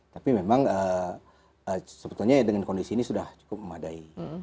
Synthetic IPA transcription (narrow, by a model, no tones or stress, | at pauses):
t̪apimemaŋə | əsəbət̪ulɲadəŋankondisiːnisudaht͡ʃu̥kʊp̚məmadai